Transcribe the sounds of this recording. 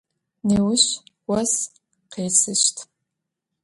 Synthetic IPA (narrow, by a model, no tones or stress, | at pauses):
neːwʊɕwɐs | qeːsɨɕtʰ